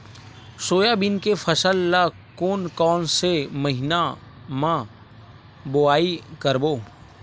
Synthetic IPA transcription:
soːjabɪnkefʰəsəlːa | koːnkɔːnseməɦɪna | mã | bʊaːikəɾboː

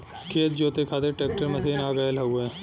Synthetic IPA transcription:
kʰeːt̪̚d͡ʒoːt̪ekʰaːt̪eʈeːk̚ʈəɾmɐsʰiːnaːɡaːjelɦɐɡuẽː

